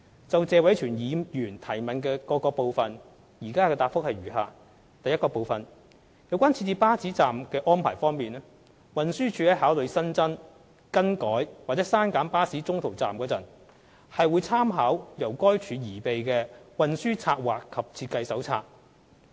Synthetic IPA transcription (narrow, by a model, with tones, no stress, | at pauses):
t͡sɐ˨wt͡sɛː˧wɐ˨˥jt͡ʃʰyː˨˩njiː˨˧jyː˨˩nt̪ʰɐ˨˩jmɐ˨˩nkɛː˧kɔː˧kɔː˧po˨wfɐ˨n | jiː˨˩kaː˥kɛː˧t̪aː˧˩pfʊ˥k̚hɐ˨jɥyː˨˩ɦa̰ː˨˩ | t̪ɐ˨jːɐ˥tkɔː˧po˨wfɐ˨n | jɐ˨˥wkʷaː˥nt͡sʰiː˧t͡siː˧paː˥t͡siː˨˥t͡saː˨mkɛː˧ʔɔː˥npʰaː˨˩jfɔː˥ŋmiː˨nɛ˥ | wɐ˨nsyː˥t͡ʃʰyː˨˥hɐ˨˥jɦaː˨˥wlɵ˨˧ɥsɐ˥nt͡sɐ˥n | kɐ˥nkɔː˨˥jwaː˨k̚t͡sɛː˨˥saː˥nkaː˨˥npaː˥siː˨˥t͡sʊ˥ŋt̪ʰo˨˩wt͡sa̰ː˨mkɔː˨˧jɐ˨˩n | hɐ˨jwuː˨˧jt͡sʰaː˥mɦaː˨˥wjɐ˨˩wkɔː˥jt͡ʃʰyː˨˧jiː˨˩pe˨jkɛː˧wɐ˨nsyː˥t͡sʰaː˧t̚waː˨kʰːɐ˨p̚t͡sʰiː˧t̚kɐ˧jsɐ˨˥wt͡sʰa̰ː˧t̚